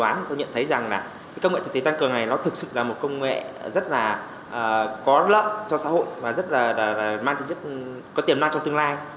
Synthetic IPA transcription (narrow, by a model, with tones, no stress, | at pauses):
aː˨˦˨t̪o˧wɲə̰˧˨nt̪ʰə˨˦jza˨˩ŋlaː˨˩ | ka˨˦kə˧wŋɛ̰˧˨t̪ʰt̪ʰe˨˦t̪ŋkɨ˨˩əna˨˩jlɔ˨˦t̪ʰɨ˨˩k̚sɨ̰˧˨laː˨˩mo˨˩t̚kə˧wŋ͡mŋḛ˧˨zə˦˥t̚laː˨˩ | ʔəː˨˩kɔ˨˦lə̰˧˨ʔt͡ɕʰɔ˧sa̰ː˧˥ho̰˧˨jvaː˨˩zə˦˥t̚laː˨˩laː˨˩laː˨˩maː˧t̪ʰi˧˩zə˦˥t̚ | kɔ˨˦t̪i˨˩əmlaː˧t͡ɕɔ˧wŋ͡mt̪ɨ˧əŋlaː˧j